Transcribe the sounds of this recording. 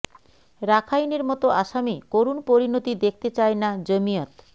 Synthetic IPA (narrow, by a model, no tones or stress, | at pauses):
ɾakʰajneɾmɔt̪oʔaʃamikoɾunpoɾinot̪id̪ek̚ʰt̪et͡ɕaenad͡ʑomijot̪